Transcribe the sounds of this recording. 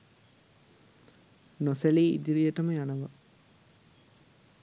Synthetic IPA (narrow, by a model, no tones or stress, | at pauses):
noseliːḭd̪iɾijəʈəməjanəʋa̰